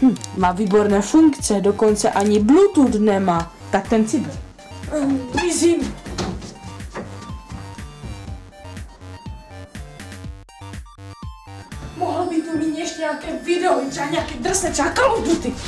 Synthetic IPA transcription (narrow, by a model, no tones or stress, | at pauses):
mm̩maːviːbo̞ɾnɛːfuŋkt͡sɛdokont͡sɛʔaɲɪblut̪ut̪nɛmaː | t̪ak̚t̪ɛnt͡sɪbɪl | ɪzim | moɦobit̪umiːt̪ɲɛʃɲɛakɛːvɪdɛoit̪r̥ɛbaɲɛakɛːd̪r̩sɛːt̪ɛakaudut̪ɪ